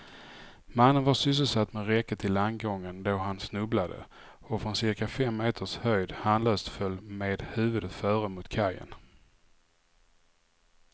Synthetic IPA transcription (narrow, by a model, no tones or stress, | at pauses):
manːənvasʏs̬əlsat̪ːmɛɾɛkːət̪ʰɪlanɡɔŋːənd̪oɦansnɵblad̪ə̰ | ɔfɾɔnsɪɾkafɛmːeːt̪ʰəʂhœjd̪hanlœːst̪fœlːmeːd̪hʉ̟ːvɵd̪ət̪fœːɾəmʊt̪kʰajə̰n